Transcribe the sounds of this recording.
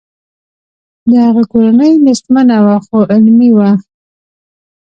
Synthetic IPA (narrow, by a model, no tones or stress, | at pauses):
d̪əhaɣakoɾanəjlɪsmanawaxoʔɪlmiwa